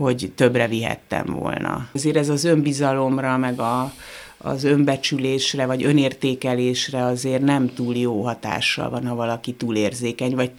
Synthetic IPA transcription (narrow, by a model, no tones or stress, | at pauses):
ho̞ɟt̪ø̞brɛviɦɛ̰t̪ːɛ̰ɱvo̰lnɒ̰zeːɾɛzɒzø̞mbizɒlo̞mrɒmɛɡɒ | ɒ̰zø̞mbɛt͡ʃyleːʃrɛvɒɟø̞neːrt̪eːkɛleːʃrɛɒzeːrnɛmt̪uːljoːɦɒt̪a̰ːʃːɒ̰lvɒnhɒvɒlɒkit̪uːleːrzeːkɛɲvɒɟ̚